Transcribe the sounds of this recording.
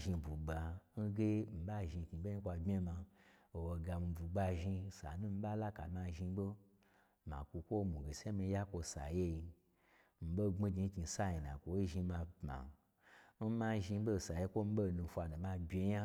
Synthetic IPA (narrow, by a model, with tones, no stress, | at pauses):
ʒi˧bu˨ɡ͡ba˧n̩˦ɡe˦m̩˨ba˦ʒi˧˨ki˧be˦i˦kʷa˧bʲe˦ma˧o˨wo˧ɡa˧mi˧bu˨ɡ͡ba˧ʒi˧sa̰˨nũ˦m̩˦ba˦la˦ka̰˨˦ma˧ʒi˧˦bo˦ | ma̰˨kʷu˧kʷo˦mu˨ɡe˨se˦mi˧˦ja˦kʷo˧sa̰˨je˦ji˧ | m̩˨bo˦ŋ͡me˦ɡi˧˦ki˧sa˦ji˨nã̰˨kʷo˨˦ʒi˧ma˧pma̰˨ | n̩˦ma˧ʒi˧˦bo˦˨sa˨je˦kʷo˦m̩˦bo˦˨nũ˧fʷa˧no˨ma˧bʲe˧ja˦